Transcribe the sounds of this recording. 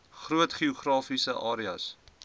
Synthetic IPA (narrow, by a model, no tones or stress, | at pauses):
χruətχiuχrɑːfisəʔɑːɾiɐ̰s